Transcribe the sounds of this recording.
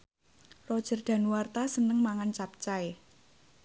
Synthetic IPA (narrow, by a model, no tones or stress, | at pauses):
rɔd̥ʒ̥ə̤rd̪̥a̤nuwart̪asənəŋmaŋant͡ʃap̚t͡ʃae